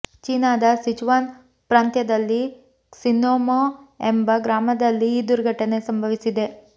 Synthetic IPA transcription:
t͡ʃiːnaːd̪ɐsid͡ʒuʋaːn | pɾaːnt̪jɐd̪ɐlːi | sinoːmoembɐɡɾaːmɐd̪ɐlːiːd̪uɾɡʱɐʈɐne̞sɐmbʱɐʋisid̪e̞

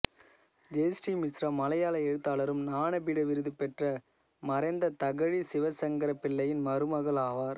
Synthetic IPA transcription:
d͡ʒeːsʈiːmɪsɾɐmɐlɐjaːlɐɛɻɯt̪ːaːlɐɾɯmnaːɳɐpiːɽɐʋɪɾɯðɯpɛʈrɐ | mɐɾɐɪnd̪ɐt̪ɐɣɐɻisɪʋɐsɐŋɡɐɾɐpːɪɭːɐjɪnmɐɾɯmɐɣɐɭaːʋaːɾ

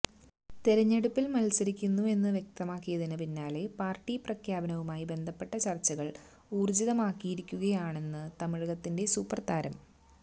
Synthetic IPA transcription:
t̪eɾɐɲːeɽupːilmɐlsɐɾikʲːunːue̞nːɨʋjek̚t̪ɐmaːkːijɐðinɨpinːaːle̞paːrʈːiprɐkʰjaːbɐnɐʋumaːjibe̞nd̪ʱɐpːe̞ʈːɐt͡ɕɐrt͡ɕːɐɣɐɭ | uːrd͡ʑiðɐmaːkːijiɾikʲːuɣɐjaːɳe̞nːɨt̪ɐmiɻɣɐt̪ːinde̞suːpːɐrt̪aːɾɐm

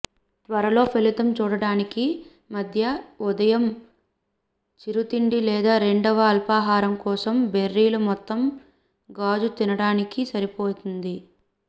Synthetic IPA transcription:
t̪ʋɐɾɐlo̞ːpʰelit̪ɐmt͡ʃuːɽɐɽaːniki | mɐd̪ʱjɐud̪ɐjɐm | t͡ʃiɾut̪iɳɖilɛːd̪aːɾe̞ɳɖɐʋɐːlpaːɦaːɾɐmkɔːsɐmbe̞rːiːlumɔt̪ːɐm | ɡaːd͡ʒut̪inɐɽaːnikisɐɾipoːt̪und̪i

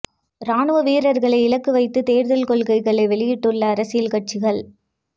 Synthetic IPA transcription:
ɾaːɳɯʋɐʋiːɾɐɾɣɐɭɐɪɪlɐkːɯʋɐɪt̪ːɯt̪eːɾðɐlkɔɭɣɐɪɣɐɭɐɪʋɛɭɪjɪʈːɯɭːɐːɾɐsɪjɪlkɐʈ̚t͡ʃɪɣɐɭ

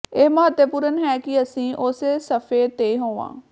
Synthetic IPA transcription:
eːməɦət̪ːjəpuːɾənɦɛːkɪəsĩːʔʊseːsəfʰeːt̪eːɦõːʋã̰ː

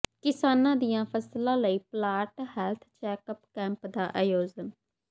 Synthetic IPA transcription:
kɪsaːnãːd̪ɪjãːpʰəslãːləiːplaːʈhɛːlt̪ʰt͡ʃɛːkəpkɛ̃ːmpd̪aːʔəjoːzən

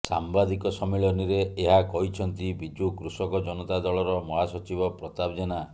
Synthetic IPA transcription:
sa̰mbad̪ikɔsɔmiɭɔniɾeeɦakɔɦit͡ʃʰɔnt̪ibid͡ʒukɾusɔkɔd͡ʒɔnɔt̪ad̪ɔɭɔɾɔmɔɦasɔt͡ʃibɔpɾɔt̪abd͡ʒɔna

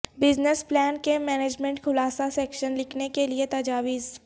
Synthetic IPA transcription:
bɪznəsplɛːnkemɛːneːd͡ʒmɛ̃ɳʈxʰʊlaːsasɛːkʃənlɪkʰnekeliet̪ɐd͡ʒaːʋiːz

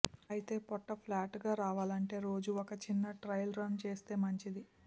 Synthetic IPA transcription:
ɐjit̪e̞ːpɔʈːɐpʰlaːʈɡaːɾaːʋaːlɐɳʈe̞ːɾo̞ːd͡ʒuɔkɐt͡ʃinːɐʈɾɐjlɾɐnt͡ʃe̞ːst̪e̞ːmɐɲt͡ʃid̪i

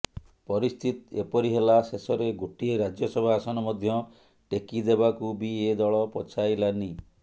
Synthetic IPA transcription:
pɔɾist̪ʰit̪epɔɾiɦelasesɔɾeɡoʈieɾad͡ʒjɔsɔbʱaːsɔnɔmɔd̪ʱjɔ | ʈekid̪ebakubied̪ɔɭɔpɔt͡ʃʰajlani

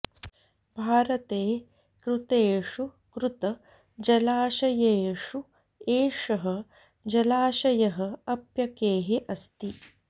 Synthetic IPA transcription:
bʱaːɾɐt̪eː | kɾut̪eːʂu | kɾut̪ɐ | d͡ʒɐlaːʃɐjeːʂu | eːʂɐɦɐ | d͡ʒɐlaːʃɐjɐɦɐɐpjɐkeːɦeʔɐst̪i

